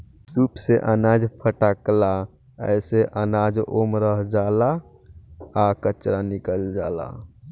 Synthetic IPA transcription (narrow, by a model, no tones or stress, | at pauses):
supseʔənad͡ʒpʰəʈakla | ə̰seʔənad͡ʒomɾəɦd͡ʒaːlaː | kət͡ʃɾanikəld͡ʒaːla̰